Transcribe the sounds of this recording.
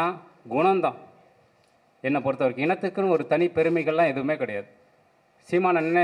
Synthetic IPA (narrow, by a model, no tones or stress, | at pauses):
aː | ɡʊɳɐmd̪ãː | ɛnːɐpɔɾɯt̪ːɐʋɐɾkːɯɪnɐt̪ːɯkːɯñɔɾɯt̪ɐnipɛɾɯmɛɪɣɐɭlãːɛðɯʋɯmeːkɪɽɐjaːðɯ | siːmaːnɐnnː